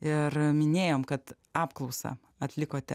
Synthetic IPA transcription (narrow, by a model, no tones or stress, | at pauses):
ɪrmʲɪnʲeːjoːmkɐt̪ | ɑːpklˠɐʊsɑ̰ | ɐt̪ʲlʲɪkoːt̪ʲɛ